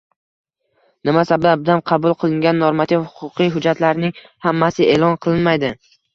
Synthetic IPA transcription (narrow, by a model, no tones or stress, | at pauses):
nɪmasabd̪abd̪anqʰɑbʊlˠqʰɨlˠɪŋɡʲanːoɾmat̪ʰivhʊ̥qʰʊqɨjɦʊd͡ʒat̪laɾnɪŋ | hamːasɪelˠɒnqʰɨlˠɪnmajd̪ɪ